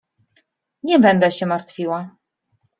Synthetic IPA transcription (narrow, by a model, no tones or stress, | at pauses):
ɲɛbɛnd̪ɛɕɛmaɾt̪fʲiwa